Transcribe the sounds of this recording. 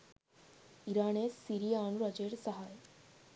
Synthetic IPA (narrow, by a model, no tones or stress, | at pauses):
iɾaɳesːiɾianɾɔd͡ʑeɽsəɦaj